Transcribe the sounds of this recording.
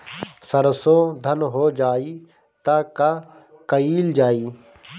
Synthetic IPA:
sɐɾsod̪ʱɐnɦoːd͡ʒaːi | t̪aka | kɐiːld͡ʒaːiː

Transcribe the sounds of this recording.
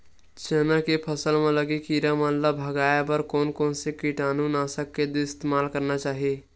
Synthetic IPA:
t͡ʃənakepʰəsəlmẽləɡikiɾamənlabʱəɡaːjabəɾkɔːnkɔːnsekiʈaːnunasəkːed̪ɪɪst̪emaːlkəɾnat͡ʃaːɦie

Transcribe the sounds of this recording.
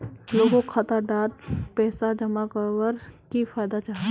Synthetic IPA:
loːɡõkʰɐt̪aɖaːɾ̚pɛːsad͡ʒɐmakəwəɾkifaːjd̪at͡ʃaːɦ

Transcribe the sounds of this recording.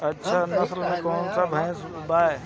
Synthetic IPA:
ɐtːʃʰanɐslmẽkɔːnsabʱə̃j̃s | baːe

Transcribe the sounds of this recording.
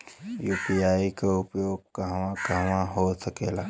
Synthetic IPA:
juːpiaːikaʊpjoːɡ̚kaɦʋãkaɦʋãɦosɐkeːlaː

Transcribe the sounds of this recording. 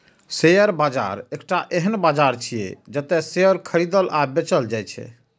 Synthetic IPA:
sejəɾbad͡ʒa̰ɾekʈaʔeɦənbad͡ʒaɾt͡ʃʰijḛd͡ʒət̪ɛsejəɾkʰəɾid̪əlabet͡ʃəld͡ʒajt͡ʃʰɛ̰

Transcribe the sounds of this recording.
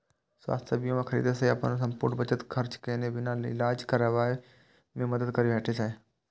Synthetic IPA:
swa̰ːst̪ʰjebijõmẽkʰəɾḭːd̪eseɐpənsə̃mpʊɾnbət͡ʃət̪kʰəɾt͡ʃkenebɪnalɪ̰laːd͡ʒkaːɾaːʋaːe | mẽməd̪əd̪kəɾibɛːʈʰese

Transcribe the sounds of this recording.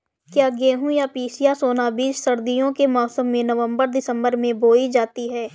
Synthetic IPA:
kjaːɡeːɦũjapiːsijasoːnabiːt͡ʃsəɾd̪ijõkemɔːsəmːẽnəʋə̃mbəɾd̪ɪsə̃mbəɾmẽboːid͡ʒaːt̪iɦɛː

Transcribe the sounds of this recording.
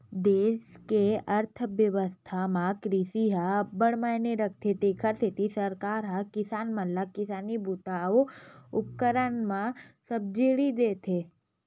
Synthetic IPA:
d̪eːʃkeɐɾt̪ʰʋjəʋəst̪ʰamãkɾiːsiɦəbəɽmajneɾɐkʰt̪ʰet̪ekʰəɾset̪isəɾkaːɾɦɐkɪsaːnmə̃ləkɪsaːnibut̪aoʊp̚kəɾəɳmãsəb̚d͡ʒeɽid̪eːt̪ʰe

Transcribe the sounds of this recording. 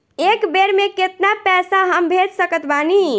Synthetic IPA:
ekbeɾmeket̪napɛsaɦəmbʱed͡ʒsəkət̪bani

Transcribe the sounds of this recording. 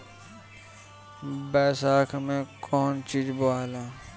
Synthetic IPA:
bɛːsaːkʰmẽːkʰɔːnt͡ʃiːd͡ʒboaːlaː

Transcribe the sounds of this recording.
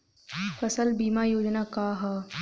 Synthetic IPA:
fɐsəlbiːmaːjoːd͡ʒnaːkaːɦaː

